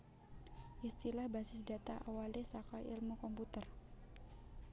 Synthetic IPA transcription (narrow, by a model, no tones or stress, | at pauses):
ʔist̪ilahbasɪsdat̪aʔawalɛsakajḭlmukɔmput̪ər